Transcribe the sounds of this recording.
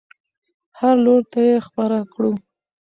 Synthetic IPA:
haɾloɾt̪ajexpaɾakɽu

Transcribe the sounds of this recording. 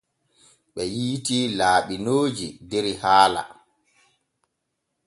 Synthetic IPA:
ɓɛjiːtilaːɓinoːd͡ʒideɾihaːla̰

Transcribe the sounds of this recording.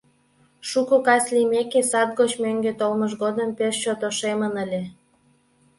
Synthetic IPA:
ʃukokɑslimekesɑt̪̚ɣot͡ɕmøŋɡet̪olməʃɣod̪əmpeʃt͡ɕot̪oʃemənəlʲe

